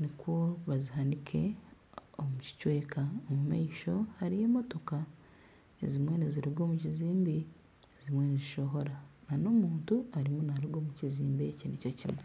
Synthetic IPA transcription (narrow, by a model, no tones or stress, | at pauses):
nikwoβaziɦanikʰe̞̰ | omuci̥cwe̞ːkaomuma̰iʃo̞haɾije̞ːmo̞to̞ka | ezimwe̞ːneziɾiɡo̞ːmuciziːmbi | ezimwe̞ːneziʃo̞ɦo̞ɾanano̞muːntuaɾimunaɾiɡo̞ːmuciziːmbecinico̞cimwe